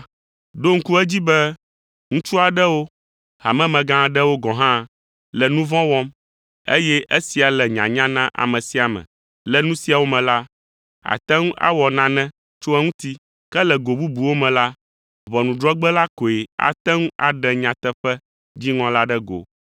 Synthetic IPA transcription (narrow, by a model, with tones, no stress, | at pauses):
ɖo˦ŋ̩˦ku˦ɛ˦d͡ʑi˦bɛ˦ | ŋũ˦t͡ʃu˦a˨ɖɛ˦wo˦ | ɦa˨mɛ̃˦mɛ̃˨ɡã˦ɖɛ˦wo˦ɡɔ̃˨ɦã˦ | lɛ˨nũ˦vɔ̃˦wɔ˦m | e˦jɛ˦ʔe˦si˨a˨lɛ˨ɲã̰˨ɲã˦nã˦ʔa̰˨mɛ̃˨si˦a˨mɛ̰̃˨ | lɛ˦nũ˦si˨˦a˨wo˦mɛ̃˨la˦ | a̰˨t̪ɛ˦ŋũ˦ʔa̰˦wɔ˨nã˨nɛ̃˦ | t͡ʃo˦ɛ˦ŋũ˦t̪i˦ | kɛ˦lɛ˨ɡo˨bu˦bu˨wo˦mɛ̃˨la˦ | vɔ˨nũ˨ɖɾɔ˦ɡ͡bɛ˦la˦ko˨e˨a̰˨t̪ɛ˦ŋũ˦a̰˨ɖɛ˨ɲã˨t̪ɛ˦ɸɛ˦ | d͡ʑi˦ŋɔ̃˦la˦ɖɛ˦ɡo̰˨